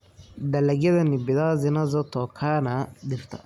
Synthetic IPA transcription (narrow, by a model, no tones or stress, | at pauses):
d̪ɐlɐɡɐd̪ɐnibid̪aːzinazɔt̪ɔkʰaːnad̪iɾt̪a̰